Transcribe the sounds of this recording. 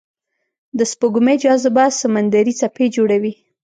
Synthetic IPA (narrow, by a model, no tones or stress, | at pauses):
d̪əspoɡumed͡ʒɑzbasamand̪aɾit͡saped͡ʒoɽawi